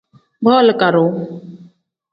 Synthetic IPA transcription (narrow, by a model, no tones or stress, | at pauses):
bʱoːlkəɾoː